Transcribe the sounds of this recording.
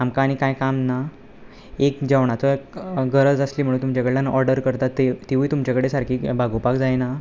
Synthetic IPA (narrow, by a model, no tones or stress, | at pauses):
amkãːɽ̃ikãjkamna | ekd͡ʑaʋɳat̪əɡəɾət͡səsliːm̤əɽ̃uːnt̪umt͡ɕakəɽlanʔɔɾɖəɾkəɾt̪aet̪eʋuit̪umt͡ɕakəɽesaɾkʰiːbaɡopakd͡zajna